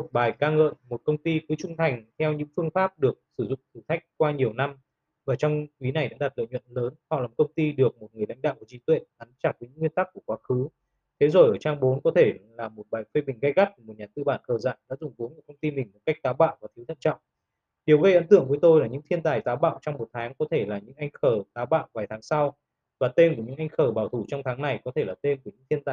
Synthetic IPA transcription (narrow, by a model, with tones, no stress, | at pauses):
o˨˩t̚ɓaː˨˩jkaː˧ŋə̰ː˧˨nmo˨˩t̚kə˧wŋ͡mt̪i˧kɨː˨˦t͡ɕʊ˧ŋ͡mt̪ʰa˨˩jŋ̟t̪ʰɛ˧wɲɨ̰˧˥ŋfɨ˧əŋfaː˦˥p̚ɗɨ˨˩ək̚sɨ˧˩zʊ̰˧˨ŋ͡mt̪ʰɨ˨˩t̪ʰa˦˥jk̟̚kwaː˧ɲi˨˩əwna˧m | vaː˨˩t͡ɕɔ˧wŋ͡mkwi˨˦na˨˩jɗa̰ː˧˥ɗa˨˩t̚lə̰ː˧˨jɲwə̰˧˨nləː˨˦nhɔ̰˧˨aː˨˩m˨˩kə˧wŋ͡mt̪i˧ɗɨ˨˩ək̚mo˨˩t̚ŋɨ˨˩əjla̰˧˥jŋ̟ɗa̰ː˧˨wkːt͡ɕi˨˦t̪wḛ˧˨nʔa˨˦ŋt͡ɕaː˧˩t̚vəː˨˦jɲɨ̰˧˥ŋwi˧ənt̪a˦˥k̚ːu˧˩əkwaː˨˦xɨ˨˦ | t̪ʰe˨˦zo˨˩jʔəː˧˩t͡ɕaː˧ŋɓo˨˦nkɔ˨˦t̪ʰe˧˩laː˨˩mo˨˩t̚ɓaː˨˩jfe˧ɓï˨˩ŋ̟ɣə˧jɣa˦˥t̚km˨˩t̚ɲaː˨˩t̪ɨ̰˧˨ɓaː˧˩nkəː˨˩za̰ː˧˨jɗa̰ː˧˥zʊ˨˩ŋ͡mku˨˦nmu˨˩kʰə˧wŋ͡mt̪i˧mï˨˩ŋ̟mo˨˩ka˦˥jk̚t̪aː˨˦wɓa̰ː˧˨wvaː˨˩t̪ʰi˨˦wt̪ʰə̰˧˨nt͡ɕɔ̰˧˨ŋ͡m | ɗi˨˩əwɣə˧jʔə̰˧˥nt̪ɨ̰˧˨əŋkvi˨˦jt̪o˧jlaː˨˩ɲɨ̰˧˥ŋt̪ʰi˧ənt̪aː˨˩jt̪aː˨˦wɓa̰ː˧˨wt͡ɕɔ˧wŋ͡mmo˨˩t̚t̪ʰaː˨˦ŋkɔ˨˦t̪ʰe˧˩laː˨˩ɲɨ̰˧˥ŋʔa˧jŋ̟xəː˧˩t̪aː˨˦wɓa̰ː˧˨wvaː˨˩jt̪ʰaː˨˦ŋsa˧w | vaː˨˩t̪e˧mku˧˩əɲɨ̰˧˥ŋʔa˧jŋ̟xəː˧˩ɓaː˧˩wt̪ʰu˧˩t͡ɕɔ˧wŋ͡mt̪ʰaː˨˦ŋna˨˩jkɔ˨˦t̪ʰe˧˩laː˨˩t̪e˧mku˧˩əɲɨ̰˧˥ŋt̪ʰi˧nt̪aː˨˩j